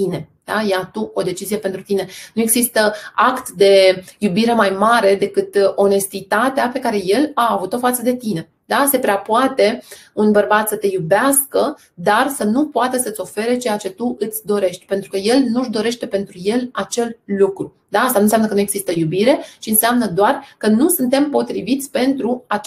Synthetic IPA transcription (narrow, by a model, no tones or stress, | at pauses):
t̪ine̞ | d̪̥ajeat̪uo̞d̪e̞t͡ʃizije̞pe̞nt̪ɾut̪ine̞nue̞ɡzist̪əakt̪d̪e̞jubiɾe̞majmaɾe̞d̪e̞kɨt̪o̞ne̞st̪it̪at̪eape̞kaɾe̞je̞laːvut̪o̞fat̪səd̪e̞t̪ine̞ | d̪asepɾeapuat̪e̞unbərbat̪sət̪e̞jubeaskə | d̪arsənupoat̪əsəɨt̪sʲo̞fe̞ɾe̞t͡ʃe̞jat͡ʃe̞t̪uʔɨt̪sʲd̪o̞ɾe̞ʃt̪ʲpe̞nt̪ɾukəje̞lnuʒd̪o̞ɾe̞ʃt̪e̞pe̞nt̪ɾuje̞lat͡ʃe̞llukɾu | d̪aast̪anunsʲamnəkənuje̞ɡz̥ist̪əjubiɾe̞t͡ʃiɨnseamnəd̪oarkənusɨnt̪e̞mpo̞t̪ɾivit̪sʲpe̞nt̪ɾua